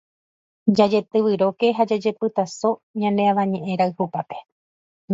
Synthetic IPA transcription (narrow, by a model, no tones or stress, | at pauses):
d͡ʒad͡ʒe̞t̪ɨʋɨɾo̞ke̞ɦad͡ʒad͡ʒe̞pɨt̪aso̞ɲãneaʋãɲẽ̞ʔẽ̞ɾaɨhupape